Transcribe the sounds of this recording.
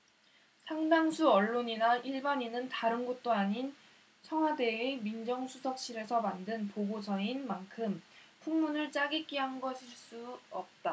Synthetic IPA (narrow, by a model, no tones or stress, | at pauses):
sʰaŋdaŋsʰuʌɭːoɲinaʔiɭbaɲinɯntaɾɯnɡot̚t͈oaɲin | t͡ɕʰʌŋɦwade̞emind͡ʑʌŋsʰusʰʌk̚ɕ͈iɾe̞sʰʌmandɯnpoɡosʰʌinmankʰɯmpʰuŋmunɯɭt͡ɕ͈aɡik͈iɦamɡʌɕʰiɭs͈uʌp̚t͈a